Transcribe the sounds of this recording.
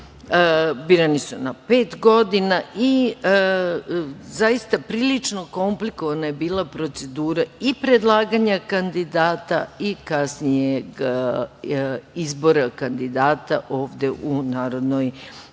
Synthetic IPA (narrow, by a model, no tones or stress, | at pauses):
biːɾanisunapeːt̪ɡo̞d̪inaʔi | zajist̪apɾiːlit͡ʃno̞ko̞mpliko̞ʋanajebiːlapɾo̞t̪se̞d̪uːɾaipɾed̪lˠaːɡaɲakand̪id̪aːt̪aikasnijeɡ | izbo̞ɾakand̪id̪aːt̪aʔo̞ːʋd̪e̞ʔunaːɾo̞d̪no̞j